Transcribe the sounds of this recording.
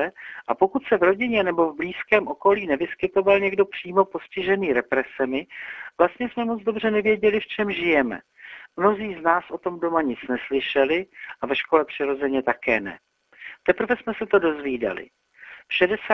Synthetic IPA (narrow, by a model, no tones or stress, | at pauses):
ɛʔapo̞kut̪sɛvɾo̞ɟɪɲɛnɛbo̞vbliːskɛːmʔo̞ko̞liːnɛvɪskɪt̪o̞valɲɛɡdo̞pr̝̥iːmo̞po̞scɪʒɛniːɾɛpɾɛsɛmɪv̥last̪ɲɛsmɛmo̞d͡zdo̞br̝ɛnɛvjɛɟɛlɪft͡ʃɛmʒɪjɛmɛ̰ | mno̞ziːznaːsʔo̞t̪o̞mdo̞maɲɪt͡snɛslɪʃɛlɪʔavɛʃko̞lɛpr̥ɪɾo̞zɛɲɛt̪akɛ̰ːnɛ̰ | t̪ɛpr̩vɛsmɛsɛt̪o̞do̞zviːda̰lɪ̰ | fʃɛdɛsa